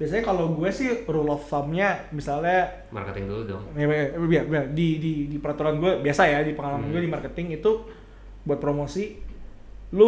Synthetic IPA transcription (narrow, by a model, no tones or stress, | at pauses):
b̥iasaɲakaloɡuɛsɪhrulɔfθamɲamisalɲa | ma̰rkət̪ɪŋduludʊ̰ŋjabiabiadididipəɾat̪uɾanɡuɛbiasajadipəŋalamanɡuɛdimarkət̪ɪŋit̪u | buat̪̚pɾomosi | lʊ